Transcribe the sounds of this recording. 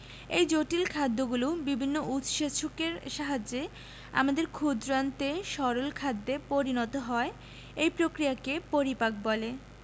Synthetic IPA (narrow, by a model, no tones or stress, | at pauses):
ejd͡ʑoʈilkʰad̪ːoɡulubibʱinːoʔut̪ʃeʃʰukeɾʃaɦad͡ʑe | a̰mad̪eɾkʰud̪ɾant̪eʃɔɾolkʰad̪ːepoɾinɔt̪oɦɔe | ejpɾokɾiakepoɾipak̚bɔle